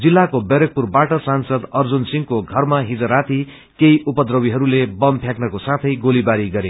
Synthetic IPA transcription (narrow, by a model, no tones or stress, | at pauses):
d͡zilːakobʌɾʌk̚purbaʈʌsansʌd̪ʌrd͡zunsiŋkoɡʱʌrmaɦid͡zʌɾat̪ʰi | kejupʌd̪rʌwiɦʌɾulebʌmpʰjaknʌkosat̪ʰʌjɡolibaɾiɡʌɾe